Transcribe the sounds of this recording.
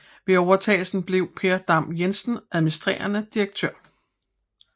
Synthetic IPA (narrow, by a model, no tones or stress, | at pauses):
ʋe̝ɒʊɐt͡sʰɛ̰ːl̩sn̩b̥le̝ʊ̰pʰe̝ːɐd̥ɑ̈mjensn̩ʔæðˠminisd̥ʁḛːɐnəd̥iʁɐɡ̥̚t͡sʰøɐ̰